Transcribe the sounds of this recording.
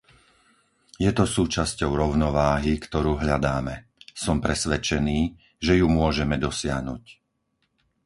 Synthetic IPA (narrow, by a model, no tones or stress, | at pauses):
jɛt̪ɔsuːt͡ʃascɔʊɾɔʊnɔʋaːɦikt̪ɔɾuːɦʎad̪aːmɛ | sɔmpɾɛsʋɛt͡ʃɛniː | ʒɛjumʊɔʒɛmɛd̪ɔsɪaɦnuc